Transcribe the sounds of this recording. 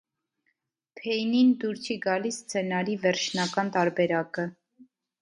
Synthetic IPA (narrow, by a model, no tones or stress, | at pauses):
pʰɛjnind̪uɾt͡sʰiɡɑlisːt͡sʰɛnɑɾivɛɾt͡ʃʰnɑkɑnt̪ɑɾbɛɾɑkə